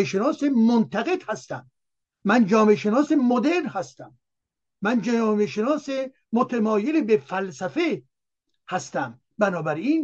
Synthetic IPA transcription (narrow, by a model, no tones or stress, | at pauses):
eʃenɒːsemont̪ʰæɣe̞d̪̥hæst̪æmː | ænd͡ʒɒːmeʃenɒːsemod̪eɾnhæst̪æmː | ænd͡ʒːmeʃenɒːse | mot̪ʰemɒːjelebefælsæfe | hæst̪æm | bænɒːbæɾiːn